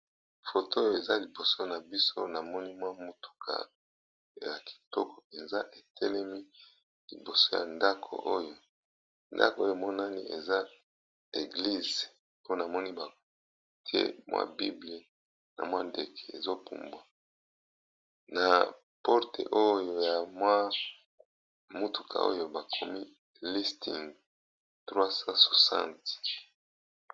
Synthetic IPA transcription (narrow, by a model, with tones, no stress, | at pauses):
fo˨to˦jo˦˨e˨za˦li˨bo˨so˦na˨bi˦so̰˦na˨mɔ˦ni˦mwa˦mu˦tu̥˨kʰa̰˨ | ja˨ki̥˨tɔ˦kʰɔ̥˨pe˨nza˦ʔe˨tʰɛ˦lɛ˦mi˦ | li˨bo˨so˦ja̰˨nda˦kʰo̰˨ʔo˦jo˦ | nda̰˦ko˨o˦jo˦˨mɔ˦na˦ni˦ḛ˨za˦ | e˨ɡli˦z | o˦na˨mɔ˦ni˦ba˨ | ti˦ḛ˦mwa̰˦bi˦bli˦ | na̰˨mwa˦nde˨kʰɛ˨e˨zo˦pṵ˨mbwa˨ | na˨ | pɔ˦ʁtḛ˨ʔo˦jo˨ja˨mwa˦ | mu˦tu̥˨kʰa̰˨ʔo̰˦jo˨ba˨kʰo˨mi˦ | li˦sti˨ŋ | tʁwa˦sa˦so̥˨sã̰˦nti̥˨